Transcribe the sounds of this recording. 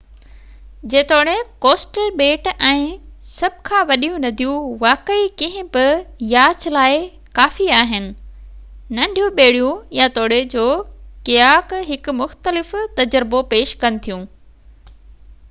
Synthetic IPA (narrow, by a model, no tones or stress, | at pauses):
d͡ʑeːt̪oːɽekoːsʈəlɓeːʈɛ̃ːsɐbʱkʰãːʋɐɗijũnɐd̪ʱijũʋaːkəikɐ̃ɦɪ̃bɪjaːt͡ɕʰlaːɪ | kaːfiaːɦɪnɪ̆ | nɐ̃ɖʱijũɓeːɽijũjat̪oːɽ̤ed͡ʑoːkɪjaːkɦɪkʊmʊxt̪əlɪft̪ɐd͡ʑɾbopeːʃkɐnɪ̆t̪ʰijũː